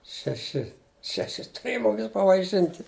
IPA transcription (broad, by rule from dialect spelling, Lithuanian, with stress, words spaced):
ʃʲɛˈʃʲɪ ʃʲɛˈʃʲɪ tʊˈrʲeːjɛ mʊˈmʲɪs pɐʋɐɪˈʃʲɪnʲtʲɪ